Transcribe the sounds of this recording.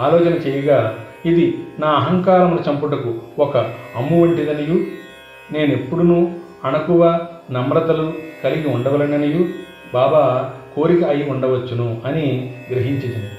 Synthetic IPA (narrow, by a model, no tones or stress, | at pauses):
aːlɔːt͡ʃɐnɐt͡ʃeːjɐɡaː | id̪inaːɐɦɐŋkaːɾɐmnɐt͡ʃɐmpuʈɐkuɔkɐɐmːuʋɐɳʈid̪ɐniju | ne̞ːnepːuɽunuː | ɐnɐkuʋɐnɐmɾɐd̪ɐluk̪ɐliɡiuɳɖɐʋɐlɐɳɖɐniju | baːbaːko̞ːɾikɐɐjiuɳɖɐʋɐt͡ʃːunuɐniɡɾɐɦiɲt͡ʃit͡ʃɐnd̪i